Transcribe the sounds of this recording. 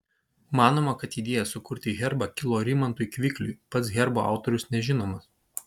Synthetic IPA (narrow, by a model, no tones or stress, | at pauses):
mɑːnoːmɐkɐt̪iːd̪ʲeːjɛsʊkʊɾʲt̪ʲɪɣʲɛɾbɑkʲɪlˠoːɾʲɪmɐnt̪ʊjkʋʲɪklʲʊɪpɐt̪s̬ɣʲɛɾboːɑ̰ʊt̪ɔɾʲʊsnʲɛʒʲɪnoːmɐs